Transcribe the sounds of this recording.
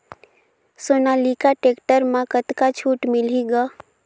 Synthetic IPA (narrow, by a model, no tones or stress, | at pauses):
soːnaːlikaʈeːkʈəɾmãkət̪kat͡ʃʰuːʈmɪliɡaː